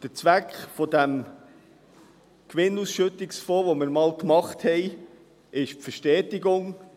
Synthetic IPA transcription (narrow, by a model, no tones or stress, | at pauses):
d̥ət͡sʋækχfɔdæm | kʋɪnusʃɵt̪ɪksfɔːʋɔmɪɾmɑːlkmɑχthɛɪ | ʔɪʃpfəʃtɛːtɪɡʊŋ